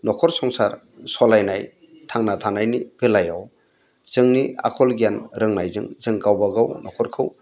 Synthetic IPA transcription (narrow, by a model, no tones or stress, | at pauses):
nɔkʰɔɾsɔŋsaɾ | sɔlajnaj | tʰaŋnatʰanajnibelajaw | z̥ɯŋnia̰kʰɔlɡijanɾɯŋnajzɯ̰ŋzɯŋkawbaɡawnɔkʰɔɾkʰɯw